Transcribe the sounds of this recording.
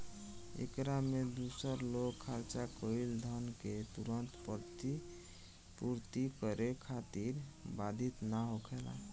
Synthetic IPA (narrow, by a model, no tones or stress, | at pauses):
ḛkɾamed̪usəɾloɡkʰːaɾt͡ʃakəild̪ʱənket̪uɾənt̪pəɾt̪i | puɾt̪ikəɾekʰat̪iɾbad̪ʱit̪naɦokʰela̰